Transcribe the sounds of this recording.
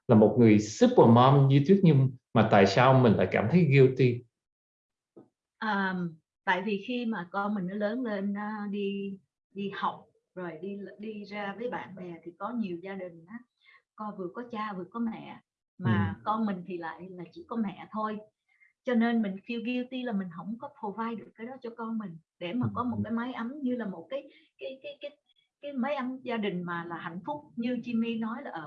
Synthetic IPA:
laː˨˩mo˨˩t̚ŋɨ˨˩əjsɨ˦˥p̚vaː˨˩mɔ˧mɲɨ˧t̪i˦˥ət̚ɲʊ˧ŋmaː˨˩t̪a̰ː˧˨jsaː˧wmï˨˩ŋ̟la̰ː˧˨jkaː˧˩mt̪ʰə˨˦jɣi˧ə˧wt̪i˧ | ʔəː˨˩m | t̪a̰ː˧˨jvi˨˩xi˧maː˨˩kɔ˧nmï˨˩ŋ̟nɔ˨˦ləː˨˦nle˧naː˨˦ɗi˧ | ɗi˧ha˨˩wk͡p̚ | zo˨˩jɗi˧ɗi˧zaː˧vəː˨˦jɓa̰ː˧˨nɓɛ˨˩t̪ʰi˨˩kɔ˨˦ɲi˨˩əwzaː˧ɗï˨˩ŋ̟ʔaː˨˦ | kɔ˧vɨ˨˩əkɔ˨˦t͡ɕaː˧vɨ˨˩əkɔ˨˦mɛ̰˧˨ | maː˨˩kɔ˧nmï˨˩ŋ̟t̪ʰi˨˩la̰ː˧˨jlaː˨˩t͡ɕḭ˧˨kɔ˨˦mɛ̰˧˨t̪ʰo˧j | t͡ɕɔ˧ne˧nmï˨˩ŋ̟xi˧˩wɣi˧əwt̪i˧laː˨˩mï˨˩ŋ̟ɦə˧˥wŋ͡mkɔ˨˦pʰo˨˩vaː˧jɗɨ˨˩əkːaː˨˦jɗɔ˨˦t͡ɕɔ˧kɔ˧nmï˨˩ŋ̟ɗe˧˩maː˨˩kɔ˨˦mo˨˩t̚kaː˨˦jma˨˦jʔə˨˦mɲɨ˧laː˨˩mo˨˩t̚kaː˨˦jkaː˨˦jkaː˨˦jkaː˨˦j | kaː˨˦jmə˨˦jʔə˨˦mzaː˧ɗï˨˩ŋ̟maː˨˩laː˨˩ha̰˧˨jŋ̟fʊ˦˥k͡p̚ɲɨ˧t͡ɕi˧mi˧nɔ˨˦jlaː˨˩ʔəː˧˩

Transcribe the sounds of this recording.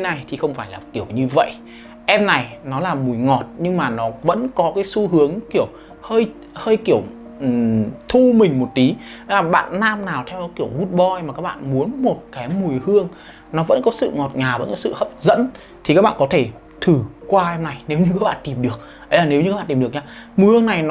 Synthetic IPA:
na˨˩jt̪ʰi˨˩xə˧wŋ͡mfaː˧˩jlaː˨˩ki˧˩əwɲɨ˧və̰˧˨jʔ | ʔɛ˧mna˨˩jnɔ˨˦laː˨˩mu˨˩əjŋɔ˨˩t̚ɲɨ˧ŋmaː˨˩nɔ˨˦və̰˧˥nkɔ˨˦kaː˨˦jsu˧hɨ˨˦əŋki˧˩əw | həː˧j | həː˧jki˧˩əw | t̪ʰu˧mï˨˩ŋ̟mo˨˩t̚t̪i˨˦˨aː˨˩ɓa̰ː˧˨nːaː˧mnaː˨˩wt̪ʰɛ˧wɔ˨˦ki˧˩əwŋu˦˥t̚ɓɔ˧jmaː˨˩kaː˦˥k̚ɓa̰ː˧˨nmu˨˦ənmo˨˩t̚kaː˨˦jmu˨˩əjhɨ˧əŋ | nɔ˨˦və̰˧˥nkɔ˨˦sɨ̰˧˨ŋɔ˨˩t̚ɲaː˨˩və̰˧˥nkɔ˨˦sɨ̰˧˨hə˦˥p̚zə̰˧˥n | t̪ʰi˨kaː˦˥k̚ɓa̰ː˧˨kɔ˨˦t̪ʰe˧˩ | t̪ʰɨ˨˩kwaː˧ʔɛ˧mna˨˩jne˨˦wɲɨ˧kaː˧˨˦k̚ɓa̰˧˨t̪i˨˩mɗɨ˨˩ək̚ | ʔə˨˦jlaː˨˩ne˨˦wɲ˧aː˦˥ɓaː˧˨˩ti˨˩˨ək̚ɲaː˧mu˨˩jhɨ˧ə˧ŋna˨˩jnɔ˨

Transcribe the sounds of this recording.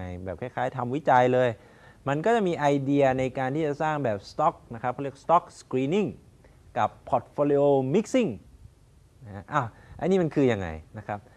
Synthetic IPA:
a˧jbɛː˨˩p̚kʰaː˥˩kʰaː˦˥jt̪ʰa˧mwi˦˥t͡ɕa˧jlɤː˧j | ma˧nkɔː˥˩t͡ɕa˨˩ʔ̚miː˧ʔa˧jdi˧ɐna˧jkaː˧nt̪iː˥˩t͡ɕa˨˩saː˥˩ŋbɛː˨˩p̚st̪ɔ˦˥k̚na˦˥kʰɾp̚ʰːək̚st̪ɔ˦˥k̚skɾiː˧ni˥˩ŋ | ka˨˩pʰːɔ˨˩t̪̚foː˧li˧˥ʔoː˧mi˦˥k̚si˥˩ŋ | n˥a˦˥ʔa˧˩wʔa˧niː˥˩ma˧nkʰɯː˧ja˧ŋːa̰˧jna˦˥kʰɾa˦˥p̚

